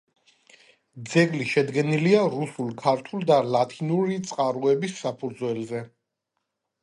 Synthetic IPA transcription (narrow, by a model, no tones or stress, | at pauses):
d̪zɛɡliʃɛd̪ɡɛniliaɾusulkʰaɾt̪ʰuld̪alat̪ʰinuɾit̪sʼqʼaɾuɛbisːapʰud̪zwɛlzɛ